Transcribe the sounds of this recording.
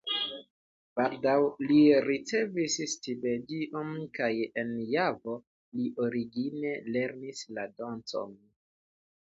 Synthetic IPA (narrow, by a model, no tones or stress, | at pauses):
b̥aldawliɾit͡se̞visstibe̞diʔonkajenjavo̞ | liʔoɾiɡine̞le̞ɾnislado̞nt͡so̞̰n